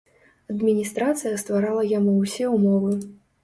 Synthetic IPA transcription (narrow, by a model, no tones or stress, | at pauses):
ɐd̪mʲinʲist̪ɾat̪sɨjɐst̪vaɾalˠɐjamuwsʲɛumɔvɨ